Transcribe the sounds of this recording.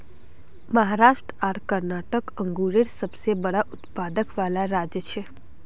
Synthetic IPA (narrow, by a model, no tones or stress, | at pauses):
məɦaɾaːʃʈɾəaːɾkəɾnaːʈəkə̃ŋɡuːɾɪɾsəbsebəɽaʔʊt̪paːd̪əkʋaːlaɾaːd͡ʒjət͡ʃʰeː